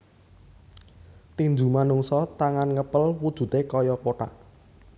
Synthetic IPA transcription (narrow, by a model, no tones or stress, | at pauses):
t̪iɲd͡ʒumanuŋsɔt̪aŋanŋəpəlwud̥ʒ̥ṳt̪ekɔjɔkoʈa̰ʔ